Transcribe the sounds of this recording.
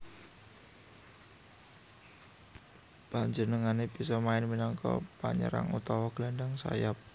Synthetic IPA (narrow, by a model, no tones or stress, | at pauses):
b̥aɲd͡ʒənəŋanebisɔmaɪnminɔŋkɔ̰paɲə̰ɾa̰ŋṵt̪ɔwɔɡ̥laɳɖaŋsa̰jap̚